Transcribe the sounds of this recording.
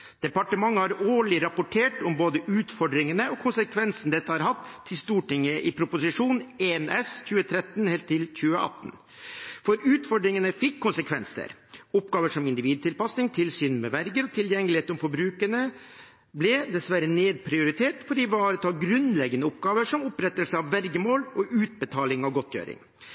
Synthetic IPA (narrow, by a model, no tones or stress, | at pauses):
d̪̥ɛpɑʈəmɑŋːəhɑɾoːɭɪɾɑpʊʈʰeːʈɔmboːd̪əʔʉːt̪fɔɖɾɪŋənəɔkʰʊnsəkʰʋɛnsn̩d̪ɛt̪ːəhɑɾɦɑt̪ʰːɪlst̪uːʈɪŋːəʔɪpʰɾʊpʊsɪʂuːneːnɛsçʉːət̪ʰɾɛt̪ːn̩hɛlt̪ʰːɪlçʉːəʔɑ̰t̪ːn | fɔɾʉːt̪fɔɖɾɪŋənəfɪkʰːʊnsəkʰʋɛnsə̰ɾʊpɡɑːʋəʂɔmɪnd̪ɪʋiːd̪̚t̪ʰɪlpɑsnɪŋt̪ʰɪlsyːnmɛʋæɾɡəɾɔt̪ʰɪljɛŋːəlɪheːt̪ɔmfɔɾbɾʉːkənə | blɪd̪ɛsʋæɾəneːd̪̚pʰɾɪʊɾɪt̪ʰeːʈfɔɖiːʋɑːɾət̪ʰɑːɡɾʉnlɛɡənəʊpɡɑːʋəʂɔmʊpɾɛt̪ːəlsəɑʋːæɾɡəmoːlɔʔʉːt̪̚bət̪ʰɑːlɪŋɑʋɡɔt̪jø̰ːɾɪ̰ŋ